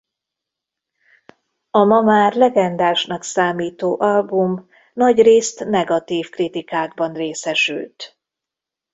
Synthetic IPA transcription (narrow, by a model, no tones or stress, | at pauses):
ɒmɒmaːrlɛɡɛnd̪aːʃnɒksaːmiːt̪oːʔɒlbum | nɒɟreːst̪nɛɡɒt̪iːfkrit̪ikaːɡ̚bɒnreːsɛʃy̰lt̪